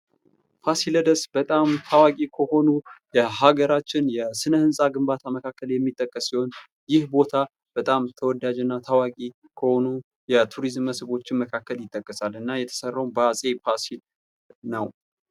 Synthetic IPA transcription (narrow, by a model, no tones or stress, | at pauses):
pʰasiləd̪əsbət̪ʼamt̪ʰawakʼikʰəho̞nujɛɦaɡəɾat͡ʃːɪnjɛsɨnəhɨnsʼaɡɨmbat̪ʰaməkʰakːəljɛmːit̪ʼːəkʼːəsːiho̞n | jɪhbo̞t̪ʰa | b̥ət̪ʼamt̪ʰəwɔd̪ad͡ʒɨnːat̪ʰawakʼi | kʰəho̞nu | jɛt̪ʰuɾizmːəsβo̞t͡ʃːɪnməkʰakːəljɪt̪ʼːəkʼːəsalɨnːajɛt̪ʰə̥sərːawnbəasʼe̞pʰasil | nəw